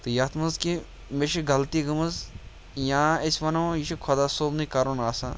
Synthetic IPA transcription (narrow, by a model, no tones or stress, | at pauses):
t̪ɨjat̪ʰmɐzki | meʃiɡɐlt̪iɡɐmɐz | jãːesʲʋɐnojiʃikʰod̪asoːbnikaːɾoːnaːsa